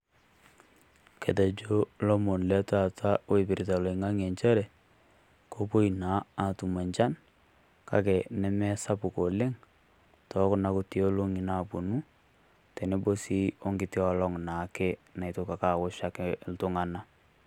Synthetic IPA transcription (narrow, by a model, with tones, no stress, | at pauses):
ke˨tɛ˨d͡ʒo˦lɔ˦mo˨nlɛ˦ta˨ta˦o˦i˨pɪ˨ɾi˨ta˨lo˨i˨ŋa˦ŋɛ˨ɲt͡ʃɛ˦ɾɛ˨ | ko˦po˦i˨na˨˦a˨tu˨ma˨ɲt͡ʃa˦n | ka̰˨kɛ˨nɛ˦mɛ˦sa˦pu˨ko˨le˦ŋ | tʰɔ˦kna˦ku˦ti˦o˦lo˦ŋi˨na˨bu˨nu˦ | tɛ˨ne˦bo˦si˦ɔ˦ŋɡɪ˨tɪ˦ɔ˨lɔ˦ŋna˨˦kɛ˦na˨i˨to˦ka˨ka˨wʊ˦ʃa˦kɛltʊ˦ŋa˨na˦